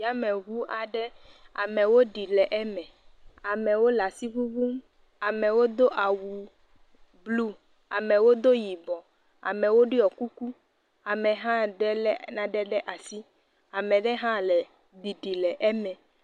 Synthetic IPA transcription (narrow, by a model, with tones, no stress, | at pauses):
ja˦mɛ̃˨ɣu˦a˨ɖɛ˦a̰˨mɛ̃˨wo˦ɖi˨lɛ˨ʔɛ˦mɛ̃˨a˨mɛ̃˨wo˦la˨si˦βu˦ɡu˦m | a˨mɛ̃˨wo˦d̪o˦ʔa˨wu˨ | blu˦ | a˨mɛ̃˨wo˦d̪o˦ji˨bɔ˨ | a̰˨mɛ̃˨wo˦ɖi˦ɔ˨ku˦ku˦ | a˨mɛ̃˨ɦã˦ɖɛ˦lɛ˦nã˨ɖɛ˦ɖɛ˦ʔa˨si˦ | a˨mɛ̃˨ɖɛ˦ɦã˦lɛ˨ | ɖi˨ɖi˨lɛ˨ʔɛ˦mɛ̃˨